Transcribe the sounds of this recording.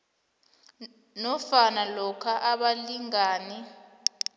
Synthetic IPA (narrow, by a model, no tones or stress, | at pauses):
nɔfanalɔkʰaʔaɓaliŋaːnɛ